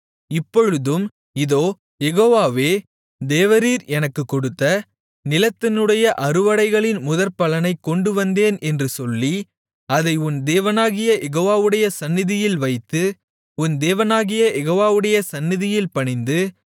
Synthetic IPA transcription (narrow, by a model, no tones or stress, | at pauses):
ɪpːɔɻɯðɯm | ɪðoː | jɛɣoːʋaːʋeː | d̪eːʋɐɾiːɾɛnɐkːɯkːɔɽɯt̪ːɐ | nɪlɐt̪ːɪnɯɽɐjɐʔɐɾɯʋɐɽɐɪɣɐɭɪnmʊðɐɾpɐlɐnɐɪkːɔɳɖɯʋɐnd̪eːnɛndrɯsɔlːi | ɐðɐɪʊnd̪eːʋɐnaːɣɪjɐjʔɛɣoːʋaːʋɯɽɐjɐsɐnːɪðɪjɪlʋɐɪt̪ːɯ | ʊnd̪eːʋɐnaːɣɪjɐjɛɣoːʋaːʋɯɽɐjɐsɐnːɪðɪjɪlpɐɳɪnd̪ɯ